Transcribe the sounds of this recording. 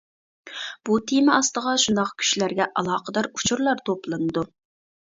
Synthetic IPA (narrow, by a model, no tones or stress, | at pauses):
b̥ut̪ʰimɪɑst̪əʁɑʃund̪ɑqkʲʰy̥ʃlæɾɡʲɛʔɑlˠɑːqʰəd̪ɑɾut͡ʃʰuɾlˠɑɾt̪ʰoplˠɨnɨd̪u